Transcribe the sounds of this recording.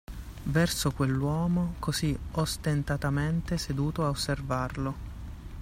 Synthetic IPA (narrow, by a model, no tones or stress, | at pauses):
vɛrsokwelːwɔːmokoziost̪ent̪at̪ament̪esed̪uːt̪oaosːervarlo